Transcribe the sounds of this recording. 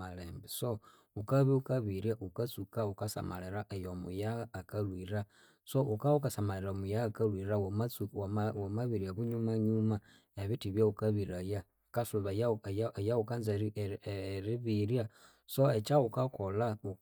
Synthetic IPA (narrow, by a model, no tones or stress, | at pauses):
aleːmbeso | ukaβiukaβiɾjaʔukat͡sukaukasa̰ma̰leɾaʔejomṵjaɣaːkalwiɾa | soʔukaukasamaleɾamujaakalwiɾawomat͡suwomaβiɾiaβuɲumaɲuma | eβitiβjaukaβiɾaja | kasuβajajejaukanza | ɾiβiɾja | soet͡ʃaukakolau